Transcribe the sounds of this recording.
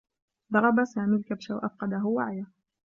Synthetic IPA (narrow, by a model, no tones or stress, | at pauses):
d̪ˤɑɾˤɑbasaːmiːlkabʃawaʔa̰fqɑd̪aɦʊwaʕja